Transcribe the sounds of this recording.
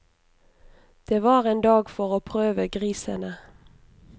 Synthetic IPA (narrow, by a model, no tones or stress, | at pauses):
d̪̥eːʋɑːʁeːnd̪ɑːɡfɔʁoːpʰʁøːʋəɡʁiːsə̰nə